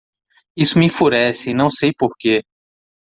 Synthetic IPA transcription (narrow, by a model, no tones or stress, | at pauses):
isʊmĩfuɾɛsɪnɐ̃w̃sejpoɾke